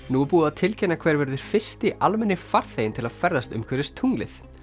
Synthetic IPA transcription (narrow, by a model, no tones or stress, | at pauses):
nupuːðaðt̪ʰɪlcʰɛnːakʰv̥ɛɾvɛɾðʏɾ̥fɪ̥st̪ɪʔʔalmɛnːɪfaɾ̥θeːjɪnt̪ʰɪlaðfɛɾðast̪ʏ̰mkʰvœɾɪst̪ʰuŋlɪθ